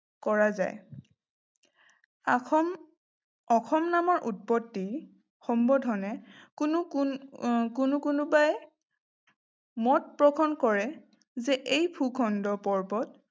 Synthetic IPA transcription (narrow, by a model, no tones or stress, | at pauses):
kɔɹaza̰j | ɔxʰɔmnamɔɹʔut̚pɔtːi | xɔmbɔdɦɔnɛkʊnu | kʊnʊkʊnʊbaj | mɔt̚pɹɔkʰɔnkɔɹɛ | zɛʔejpʰukʰɔndɔpɔɹbɔt